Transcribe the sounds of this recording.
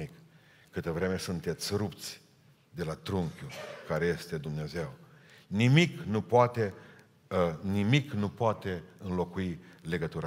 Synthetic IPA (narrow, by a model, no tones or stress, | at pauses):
ikː | ɨt̪əvɾe̞me̞sunt̪e̞t̪sʲɾupt̪sʲ | d̪e̞lat̪ɾuŋkʲjukaɾe̞je̞st̪e̞d̪umneaze̞wnimiknupoat̪e | nimiknupoat̪e̞ɨnlo̞kuile̞ɡət̪uɾa